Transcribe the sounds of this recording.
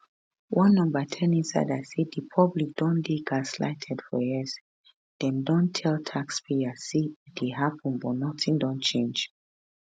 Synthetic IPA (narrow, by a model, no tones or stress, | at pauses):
wʔɔ̃nːɔ̃mbətʰɛ̃nĩnsa̰ɪdaɪsedipʰɔblik̚d̥ɔ̃ndeɡasla̰ɪtʰɛd̥fɔjɛz | d̥ɛ̃ndɔ̃ntʰɛlˠtʰakspʰeasid̥eɦapʰə̃nbɔtnɔtĩŋdɔ̃nt͡ʃʰẽnd͡ʒ